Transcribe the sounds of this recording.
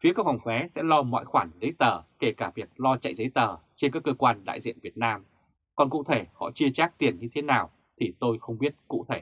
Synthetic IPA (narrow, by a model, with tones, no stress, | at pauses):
fi˨˦əkaː˦˥k̚fa˨˩wŋ͡mfɛ˨˦sɛ̰˧˥lɔ˧mɔ̰˧˨jxwaː˧˩nzə˨˦jt̪əː˨˩ke˧˩kaː˧˩vi˨˩ək̚lɔ˧t͡ɕa̰˧˨jzə˨˦jt̪əː˨˩t͡ɕe˧nkaː˦˥kːəː˧kwaː˧nɗa̰ː˧˨jzḭ˧˨ənvi˨˩ət̚naː˧m | kɔ˨˩nkṵ˧˨t̪ʰe˧˩hɔ̰˧˨t͡ɕi˧ət͡ɕaː˦˥k̚t̪i˨˩ənɲɨ˧t̪ʰe˨˦naː˨˩w | t̪ʰi˨˩t̪o˧jxə˧wŋ͡mɓi˦˥ət̚kṵ˧˨t̪ʰe˧˩